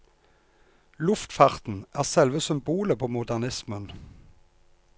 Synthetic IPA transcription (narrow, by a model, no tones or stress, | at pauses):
lʉft̪fɑːʁt̪n̩ʔæːʁsɛlʋəsʏmbuːləpʰoːmʊd̪æʁnɪsmən